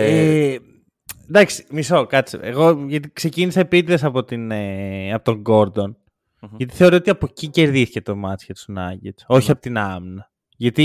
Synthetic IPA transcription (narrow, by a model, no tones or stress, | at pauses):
e | nd̪ɐksi̥miso̞kɐt͡sḭeɣo̞ʝɐt̪ikse̞cinisɐepit̪ðesɐpo̞t̪ineɐpot̪o̞ŋɡo̞ɾd̪o̞n | ʝɐt̪i̥θeo̞ɾoot̪iɐpo̞cice̞ɾðiθi̥ce̞t̪o̞mɐt͡sçet̪sunɐ̰ɟet͡so̞çiɐpot̪inɐmnɐ | ʝɐt̪i